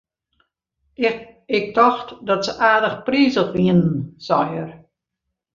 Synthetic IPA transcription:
ɪk̚dɔxtdɔtsəʔaːdəxpriːzəxʋiənn̩sɔjər

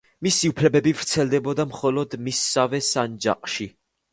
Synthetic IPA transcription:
misiupʰlɛbɛbivɾt̪sʰɛlˠd̪ɛbɔd̪amχɔlɔd̪misːavɛsand͡ʒa̰qʼʃi

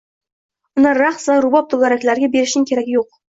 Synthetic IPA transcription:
ʊnaɾaχsvaɾʊbɒp̚t̪ʰolˠaɾakʲlaɾɡʲabe̞ɾɪʃnɪŋkʲʰe̞ɾaɡʲɪjoq̚

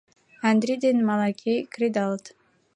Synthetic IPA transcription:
and̪ɾʲid̪enmalˠakʲʰejkrʲid̪alˠt̪

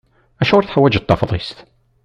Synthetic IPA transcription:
æʃʊɾθħawːæd͡ʒət̪ˤːɑfðˤist̪

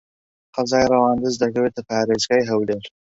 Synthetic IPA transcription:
qɐzaːjrɑwaːnd̪ɨzd̪ɐkɐweːt̪ʰɐpaːɾeːzɡaːjɦɐwleːɾ

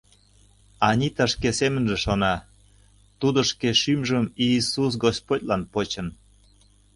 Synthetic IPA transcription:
ɑnʲit̪əʃkesemənʒĕʃonɑ | t̪ud̪ŏʃkeʃymʒəmiːsus̬ɡospotʲlɑnpot͡ɕən

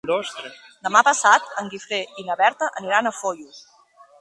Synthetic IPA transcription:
d̪əmapəsat̪əŋɡifɾeʔinəβɛɾt̪əʔəniɾanəfoʎu

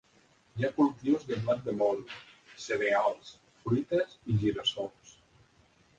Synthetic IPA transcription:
jakulˠt̪iwzðəmlat̪̚d̪əmonseɾealˠs | fɾit̪əziʒiɾəsols

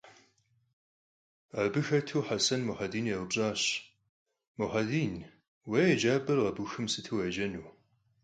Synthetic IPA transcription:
ɐbɨxɐtʰuːħasɐnmʊħɐdiːnjɛʁəpɕʼɑːɕ | mʊħadiːn | weːɐd͡ʒaːbɐrʁɐbuxɨmsɨtʰɨwed͡ʒɐnuː

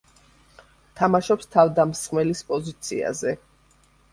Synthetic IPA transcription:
t̪ʰamaʃɔpst̪ʰavd̪amsmɛlispʼɔzit̪sʰḭa̰zɛ

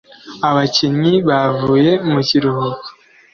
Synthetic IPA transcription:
aβaciɲiβavuːje̞muciɾuhuko̥

